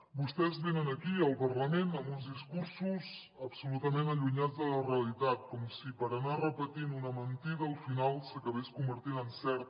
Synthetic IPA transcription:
bust̪ɛzβenənəkiəlˠpəɾləmenəmunzðiskuɾsuz | əpsulut̪əmenəʎuɲad͡zðələreəlit̪at̪̚kɔmsipəɾənarəpət̪inunəmənt̪iðəːlˠfinalˠsəkəβeskumbəɾt̪inənsɛɾt̪̚

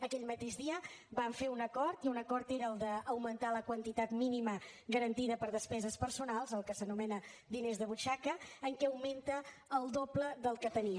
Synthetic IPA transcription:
əkɛʎmət̪eʒðiəbaɱfeunəkɔɾt̪iunəkɔɾt̪eɾəːlˠd̪əːwmənt̪aləkwənt̪it̪at̪miniməɣəɾənt̪iðəpəɾðəspɛzəspəɾsunalˠzəlˠkəsənumɛnəd̪inezðəβut͡ʃakəːŋkɛəwment̪əːlˠd̪opləðəlˠkət̪əniə

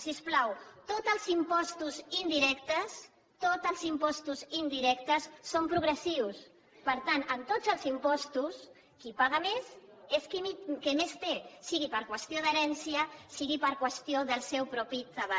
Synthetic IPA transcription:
sisplawt̪ot̪əlˠzimpɔst̪uzind̪iɾɛkt̪əs | t̪ot̪əlˠzimpɔst̪uzind̪iɾɛkt̪əsːompɾuɣɾəsiws | pəɾt̪anənt̪od͡zəlˠzimpɔst̪us | kipaɣ̞əmes | eskimikəmest̪esiɣipəɾkwəst̪ioðəɾɛnsiəsiɣipəɾkwəst̪ioðəlˠsɛwpɾɔpit̪əβa

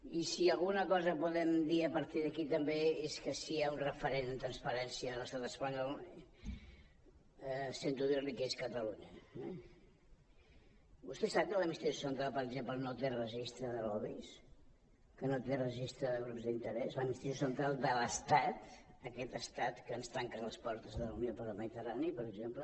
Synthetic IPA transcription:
isiəlˠɣunəkɔzəpuðɛmd̪iəpəɾt̪iðəkit̪əmbeeskəsiaunrəfəɾenənt̪ɾənspəɾɛnsiələst̪at̪əspəɲɔl | sent̪uðiɾlikeskət̪əluɲəɛ | bust̪ɛsap̚kələmist̪eʃu̥sənt̪ɾalˠpəɾəɡʒemplənot̪erəʒist̪ɾəðəlɔβis | kənot̪erəʒist̪ɾəðəɣɾupzd̪int̪əɾɛzləmist̪ɛʃusənt̪ɾalˠd̪ələst̪at̪əkɛt̪əst̪at̪kənst̪ɾaŋkələspɔɾt̪əzðəlunjopəɾəlˠməðit̪əranipəɾəɡʒemplə

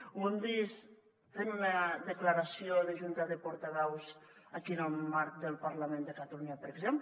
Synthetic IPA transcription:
und̪is | t̪enunaðəklaɾasijonaʒunt̪aðəpoɾt̪aβɛwz | akiənəlˠmaɾk̚d̪əlˠpaɾlamẽnd̪əkat̪aluɲapəɾəɡzemp

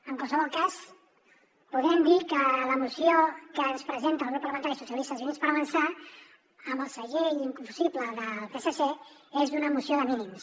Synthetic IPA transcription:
əŋkwalˠsəβ̞ɔlˠkas | puðɛmd̪ikələmusiokənspɾəzent̪əːlˠɣupːələβənt̪aʒisusjəlist̪əzuninspəɾəβənsa | əmbəlˠsəɣeʎiŋkumfu̥sipləðəlˠpesəse | ezðunəmusioðəminims

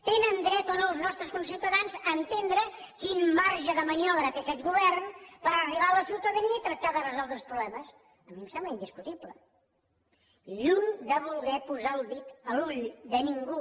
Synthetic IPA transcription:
t̪enənd̪ɾɛt̪onoːlˠznɔst̪ɾəskunsiwt̪əðanzəːnt̪end̪ɾəkinmaɾʒəðəməɲɔβɾəːkɛkɛt̪̚ɡuβɛrnpəɾəriβaələsiwt̪əðəniəit̪ɾək̚t̪aðərəzɔlˠd̪ɾəspɾuβlɛməs | əmimsɛmbləind̪iskut̪iplə | ʎund̪əβulˠɣɛpuzaəlˠβit̪əluʎd̪əniŋɡu

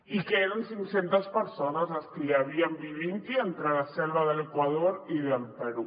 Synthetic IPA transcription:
ikeeɾansiŋsent̪aspəɾsonazlaskeleaβ̞iambiβint̪ient̪ɾelasɛlβaðelekwaðoɾiðelpeɾu

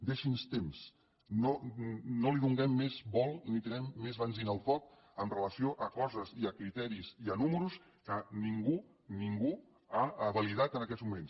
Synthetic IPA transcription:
d̪eʃinst̪ems | nonoliðuŋɡɛmːezβɔlˠnit̪inɛmːezβənzinəlˠfɔk̚ | əmrələsioʔəkɔzəziəkɾit̪ɛɾiziənuməɾus | kəniŋɡu | niŋɡu | aəβəlið̞at̪ənəkɛd̪zmumens

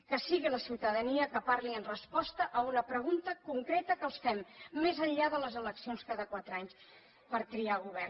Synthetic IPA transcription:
kəsiɣiləsiwt̪əðəniəkəpaɾliənrəspɔst̪əʔəunəpɾəɣunt̪əkuŋkɾet̪əkəlˠsfɛmːezəʎʎaðələzələksionskaðəkwat̪ɾəaɲs | pəɾkɾialˠɣuβɛr

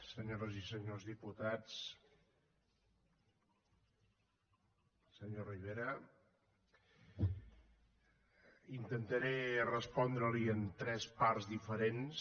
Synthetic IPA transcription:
səɲoɾəzisəɲozðiput̪at͡s | səɲoriβ̞eɾə | int̪ənt̪əɾerəspɔnd̪ɾəliənt̪ɾɛspaɾzðifəɾens

